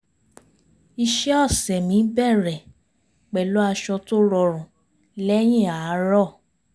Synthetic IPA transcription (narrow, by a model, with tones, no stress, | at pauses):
i˧ʃɛ˦ɔ˦˨sɛ˨mĩ˨˦bɛ˦˨ɾɛ˨ | k͡pɛ˨lo˦a˧ʃɔ˧to˦ɾɔ˧˨ɾ̃ũ˨ | lɛ˦j̃ĩ˦˨a˨˦ɾɔ˦˨